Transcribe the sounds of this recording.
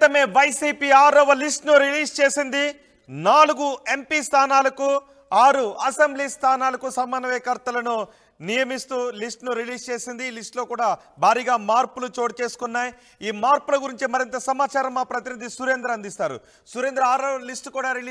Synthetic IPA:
t̪ɐme̞ːʋɐjsiːpiːaːɾɐʋɐlisʈnuɾiliːst͡ʃe̞ːsind̪i | naːluɡue̞mpiːst̪ʰaːnaːlɐku | aːɾuɐsembliːst̪ʰaːnaːlɐkusɐmːɐnɐʋɛːkɐɾt̪ɐlɐnu | nijɐmist̪uːlisʈnuɾiliːst͡ʃe̞ːsind̪iːlisʈlo̞ːkuːɽaː | bʱaːɾiːɡaːmaːɾpulut͡ʃo̞ːʈt͡ʃe̞ːsu̥kunːaːji | iːmaːɾpulɐɡuɾiɲt͡ʃimɐɾint̪ɐsɐmaːt͡ʃaːɾɐmːaːpɾɐt̪inid̪ʱisuɾeːnd̪ɾɐnd̪ist̪aːɾṵ | suɾeːnd̪ɾɐaːɾɐʋɐlisʈkuːɽaːɾilː

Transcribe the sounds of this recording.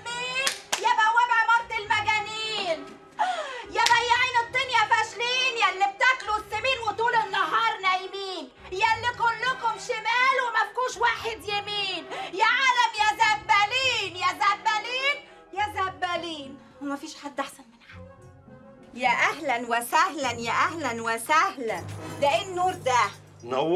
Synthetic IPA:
miːnjæbæwæbaʕmɑɾˤt̪ɪlmæɡæniːn | jæbæjːaʕiːnet̪ˤːiːnjæfæʃliːnjalːib̚t̪æklusːemiːnwet̪uːlɪnːɑɦɑːɾˤnæʔmiːn | jælːikʊlːʊkomʃemæːlwɪmæfkuːʃwaːħed̪jemiːnjæʕaːlæmjæzæbːæliːnjæːzæbːæliːn | jæzæbːæliːn | wɪmæfiːʃħad̪ːʔaħsænmɪnħad̪ | jæːʔæɦlænwesæhlænjæːʔæhlænwesæhlænd̪æʔenːuːɾˤd̪æ

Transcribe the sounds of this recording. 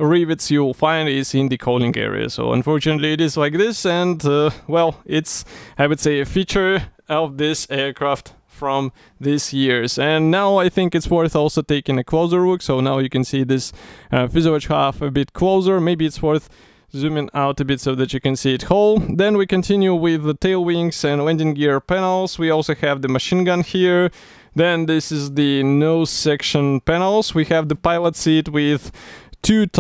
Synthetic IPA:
ɹivɨtsjɨlˠfãɪ̃ndɪtzɪ̃nðɨkʰoʊlˠɪ̃ŋɡɛ̰ɹḭɨ̰so̰ʊə̰̃ɱfɔɹt͡ʃɨnɨtˡliɨɾɨzlaɪk̚ðɪsɨ̃nʌwɛlˠɪtsaɪwɨd̥seɪɨfit͡ʃə˞ | ʌvðɪsɛɹkʰɹ̥æft | fɹʌ̃m | ðɪsjɪɹzɨ̃nːaʊaɪθɪ̃ŋkɨtswɜ˞θɔlˠsoʊteɪkɪ̃ŋɨkʰl̥oʊzə˞wʊksoʊnaʊjɨkɨ̃nsiðɪsʌfɪzoɨt͡ʃhæfɨbɪt̚kʰloʊzə˞meɪbiɨtswɜ˞θ | zʉ̃mɪ̃ŋaʊtɨbɪtsoʊðæt͡ʃɨkɨ̃nsiɨthoʊlˠðɛ̃nwikɨ̃ntʰɪ̃njuwɪðətʰeɪlˠwɪ̃ŋsɨ̃nlɛ̃ndɪ̃ŋɡɪɹpænl̩ˠz̥wiɔlˠsoʊhɨvðɨmɨʃĩnɡʌ̃nhiɹ | ðɨ̃nðɪsɪzðɨnoʊsɛkʃɨ̃npænl̩ˠswihɨvðɨpaɪlˠətsit̚wɪðtʰʉt

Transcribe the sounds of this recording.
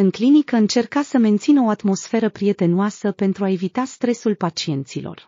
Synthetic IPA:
ɨŋklinikəɨnt͡ʃe̞rkasəme̞nt̪sinəo̞at̪mo̞sfe̞ɾəpɾije̞t̪e̞nuasəpe̞nt̪ɾuae̞vit̪ast̪ɾe̞sulpat͡ʃie̞nt̪silo̞̰r

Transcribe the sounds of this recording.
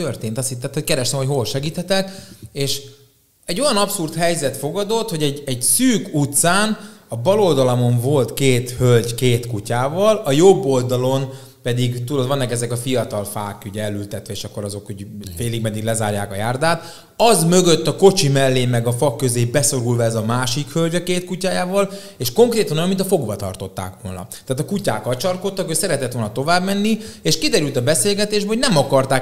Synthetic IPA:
ørt̪eːnt̪ɒst̪it̪ːaːt̪hockɛɾɛʃt̪ɛmhochɦoːlʃɛɡiːt̪hɛt̪ɛkeːʃ | ɛɟːo̞jɒnɒpsurt̪hɛjzɛt̪fo̞ɡɒd̪o̞t̪ho̞ɟɛɟɛɟsyːkut̪saːnɒbɒlo̞ld̪ɒlɒmo̞ɱvo̞lt̪keːt̪hølɟkeːt̪kucaːvɒlɒjobːo̞ld̪ɒlo̞n | pɛd̪iɡt̪ulod̪vɒnːɒkɛzɛkɒfijɒt̪ɒlfaːkyɟɛlːylt̪ɛt̪ʋɛeːʃɒkːo̞ɾɒzo̞kuɟfeːliɡmɛd̪iɡlɛzaːrjaːkɒjaːrd̪aːt̪ | ɒzmø̞ɡøt̪ːɒko̞t͡ʃimɛlːeːmɛɡɒfɒkːøzeːbɛso̞ɾulvɒɛzɒmaːʃikhølɟɒkeːt̪kucaːjaːvɒleːʃko̞ŋkreːt̪ɒnojomːinɒfo̞ɡbɒt̪ɒ̰rt̪o̞t̪ːa̰ːkʋo̞̰lnɒ̰t̪aːt̪ɒkucaːkɒt͡ʃɒrkot̪ːɒkøcsɛɾɛt̪ɛt̪ʋo̞lnɒt̪o̞vaːbmɛnːieːʃkid̪ɛɾylt̪ɒbɛseːlɡɛt̪eːʒbɛɦoɟnɛmɒkɒrt̪aː

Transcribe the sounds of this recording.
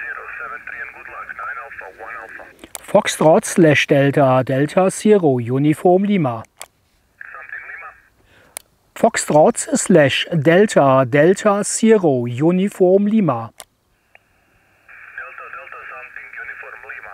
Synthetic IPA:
fɔkstʁɑtslæʃd̥ɛltʰadɛltʰasiːʁojunɪfɔʁmliːma | fɔkstʁɑtsslæʃdɛltʰadɛltʰasiːʁojuːnɪfɔːmliːma

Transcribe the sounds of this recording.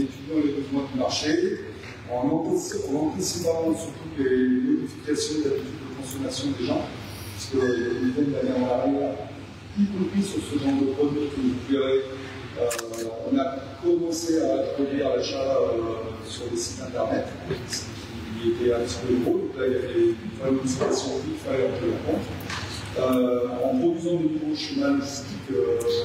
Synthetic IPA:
et̪yd̪jɑ̃lebəzwɛ̃d̪ymaʁʃe | ɔ̃nɑ̃t̪sɔ̃nɑ̃t̪isipamɑ̃syt̪ut̪lenɔd̪ifi̥kʲasjɔ̃d̪lab̪izyd̪əkɔ̃sɔmasjɔ̃d̪eʒɑ̃ | ppḁsə̥kəebəzɛ̃d̪əmanɛʁavajɛ̃ | t̪ip̪upisyʁsəʒɑ̃d̪əpχɔd̪ɥikəʒud̪iʁɛ | øɔ̃nakɔmɑ̃seat̪χəvialeʃaø | syʁləsit̪ɛ̃t̪ɛʁnɛt̪ | paʁsə̥kəkʲʰi | et̪ɛɛ̃pt̪i̥pød̪ʁod̪ɔ̃klailavɛynfɔɛmd̪ĩfɔmasjɔ̃ʔit̪faʁjœʁkʲilʁɑ̃kɔ̃t̪χ | øɑ̃pχɔd̪yzɑ̃d̪ənuvoʃəmalʒst̪ikø

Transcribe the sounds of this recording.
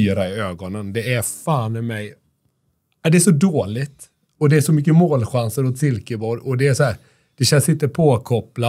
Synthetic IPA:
yːɾaɪøːɡɔnənd̪ɛæɾfaːnɛmɛj | ad̪ɛæʂɔd̪oːlɪt̪ | ɔd̪ɛæʂɔmʏkːəmoːlɧansəɾɔt̪sɪlkəbɔːɾɔd̪ɛæʂɔhæːɾ | d̪̥ɛɕɛnsɪnt̪əpʰoːkʰɔpla

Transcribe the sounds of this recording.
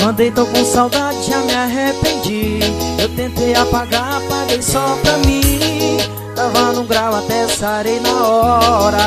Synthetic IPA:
mɐ̃nd̪ejt̪okũsawd̪ad͡ʒɪʒamiaɦepẽd͡ʒiewt̪ẽnt̪ejapaɡapaɡejsɔpɾamĩ | t̪avɐ̃d̪ũɡɾawat̪ɛsaɾejnaɔɾɐ

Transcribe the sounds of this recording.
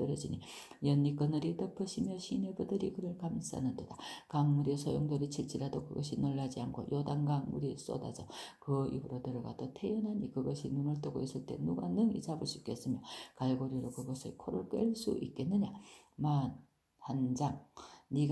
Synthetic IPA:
ɯɾjʌd͡ʑiɲi | jʌnːik͈ɯnɯɾitʌpʰɯɕʰimjʌɕʰinebɯdɯɾikɯɾʌɭkams͈ʰa̰nɯntod̥akaŋuɾisʰojoŋdoɾit͡ɕʰiɭt͡ɕ͈iɾadokɯɡʌɕʰinoɭːad͡ʑiankʰo̰jodaŋɡaŋuɾis͈o̰da̰d͡ʑʌkɯḭbɯɾotɯɾʌɡad͈otʰejʌnɦaɲikɯɡʌɕʰinumɯɭt͈oɡois͈ɯɭt͈e̞̰nuɡanɯŋḭsabɯɭs͈uik͈e̞s͈ɯmjʌkaɭɡoɾjiɾokɯɡʌsʰɯkʰoɾoɭk͈eɭs͈ṵʔik͈e̞nːɯɲa | man | hand͡ʑaŋniɡ

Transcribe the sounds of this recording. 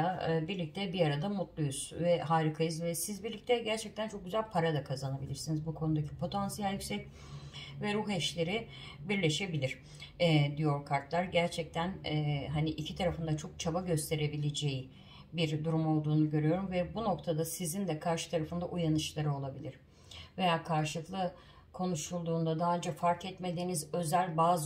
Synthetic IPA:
abiɾlʲic̚t̪ʰɛbijaɾad̪amut̪lˠujuz̥vɛɦaːɾikʰajɯzvɛsizbiɾlʲic̚t̪ʰɛɟæɾt͡ʃʰɛc̚t̪ʰænt͡ʃʰo̞k̚ɟyzælʲpʰaɾad̪akʰazanabilʲiɾsinizbukʰo̞nud̪acʰi̥pʰo̞t̪ʰansijalʲjycʲsɛc̚ | vɛɾuɦɛʃlʲe̞ɾɪ | biɾlʲe̞ʃe̞bilʲiɾ̥ | ɛd̪ijo̞ɾkʰaɾt̪lˠaɾɟæɾt͡ʃʰɛc̚t̪ʰænɛɦaniʔicʰit̪ʰaɾafɯnd̪at͡ʃʰo̞k̚t͡ʃʰabaɟø̞st̪ʰe̞ɾe̞bilʲe̞d͡ʒeji | biɾd̪uɾumo̞lˠd̪uːnuɟø̞ɾyjo̞ɾumvɛbuno̞k̚t̪ʰad̪asizind̪ɛkʰaɾʃɯ̥t̪ʰaɾafɯnd̪aʔujanɯt͡ʃlˠaɾɯo̞lˠabilʲiɾ̥ | ve̞jaːkʰaɾʃɯlˠɯklˠɯ | kʰo̞nuʃulˠd̪uːnd̪ad̪aːlʲd͡ʒafaɾkɛt̪me̞d̪iːnizø̞zælʲbaːz

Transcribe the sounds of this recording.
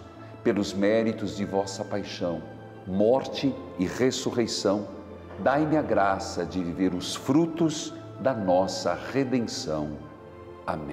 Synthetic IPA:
pelʊzmɛɾit̪ʊzd͡ʒɪvɔsɐpajʃɐ̃w̃ | mɔɾt͡ʃɪɪʁesuʁejsɐ̃w̃ | d̪ajmɪɐɡɾasɐd͡ʒɪviveɾʊsfɾut̪ʊz | d̪ɐnɔsɐʁed̪ẽsɐ̃w̃ | a̰mḛ̃

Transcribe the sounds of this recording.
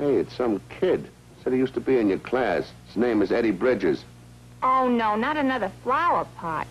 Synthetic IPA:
eɪɨtsʌ̃mkʰɪd̥ | sɛdijʉstəbiɨ̃njə˞kʰl̥æs | z̥nẽɪ̃mɨzɛɾibɹɪd͡ʒɪz̥ | oʊnoʊnəɾɨnʌðə˞flaʊəpʰɑ̰ɹt̚

